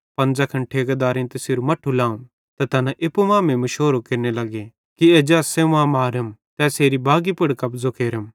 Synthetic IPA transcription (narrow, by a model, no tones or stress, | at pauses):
pɐ̃nd͡zakʰɐ̃ɳʈʰeːɡɐd̪aːɾĩnt̪esɪɾumɐʈʰːulãːũ | t̪ɐt̪ɐnãʔɪpːumãːmẽmɐʃoːɾokɪɾnelɐɡe | kied͡ʒɛːseʋãːmaːɾɐmt̪ɛːseːɾibʱaːɡipɐɽkɐpzokʰeːɾəm